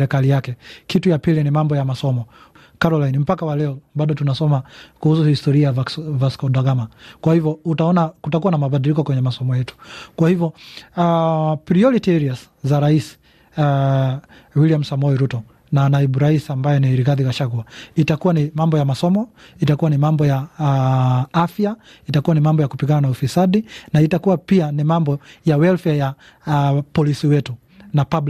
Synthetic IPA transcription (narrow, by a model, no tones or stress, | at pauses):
ɾɛkalijakɛkitujapilinimambɔjamasɔmɔ | kaɾɔlajnim̩pakawalɛɔbaɗɔtunasɔmakuhus̬uhistɔɾiavvaskɔɗaɡamakwahivjɔutaɔnakutakuwanamaɓaɗilikɔkwɛɲɛmasɔmɔjɛtu̥kwahivjɔapɾiɔɾitiɛɾias | zaɾaisi̥ | a | wiliam̩samɔiɾutɔ | nanaiɓuɾaisiambajɛniɾiɣaðikaʃaɡuaitakuwanimambɔjamasɔmɔitakuwanimambɔja | afja | itakuwanimambɔjakupiɡananaufisaɗinaitakuwapianimambɔjawɛlfɛja | pɔlisiwɛtu | napabl